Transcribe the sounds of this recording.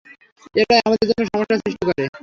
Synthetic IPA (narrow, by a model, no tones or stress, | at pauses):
eʈaeamad̪eɾd͡ʑonːoʃɔmoʃːasɾiʃʈikɔɾe